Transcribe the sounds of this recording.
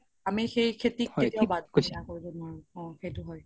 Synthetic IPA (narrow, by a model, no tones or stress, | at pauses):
amixejkʰetikhetiabadkosakoɹizɔnaɹɔ̃xejtʊɦɔj